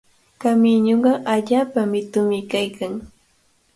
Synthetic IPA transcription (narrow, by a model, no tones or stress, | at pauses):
kamɪɲoɴɢɑʔaʎaːpamɪt̪ʊmɪkajkʰaŋ